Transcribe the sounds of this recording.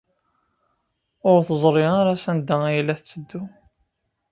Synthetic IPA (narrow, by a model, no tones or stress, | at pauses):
ʊɾθəzˤɾˤiʁaɾæsænd̪ːææjlːæθt͡sːəd̪ːu